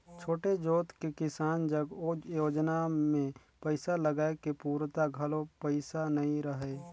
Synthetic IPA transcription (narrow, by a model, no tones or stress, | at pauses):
t͡ʃʰoːʈed͡ʒoːt̪kekɪsaːnd͡ʒəɡjoːd͡ʒnamẽ | pəɪsaləɡaːekepuːɾt̪aɡʱɐlõpəɪsanɐɦĩɾəɦeː